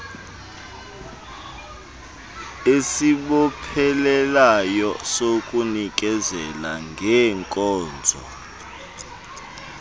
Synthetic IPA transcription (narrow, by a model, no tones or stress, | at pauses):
esiɓɔpʰɛlɛlajɔsokʼunik̬ʼɛzɛlaŋɡʱɛːŋkʼɔːnd͡zʱɔ̰